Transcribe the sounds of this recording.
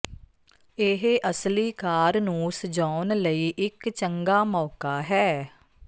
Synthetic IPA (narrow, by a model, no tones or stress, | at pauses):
ɪɦʔəsliːkaːɾnũːsəd͡ʒaːnləiːʔɪkt͡ʃəŋɡaːmɔːkaːɦɛː